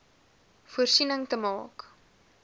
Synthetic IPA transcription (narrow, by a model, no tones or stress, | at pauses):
fuərsinəŋtəmɑːk